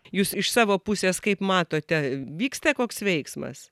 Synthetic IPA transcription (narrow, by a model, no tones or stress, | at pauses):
juːsɪʃsɑːʋoːpʊsʲeːskɐɪpmɑːt̪oːt̪ʲɛʋʲiːkst̪ɐkoːksʋʲɛɪksmɐ̰s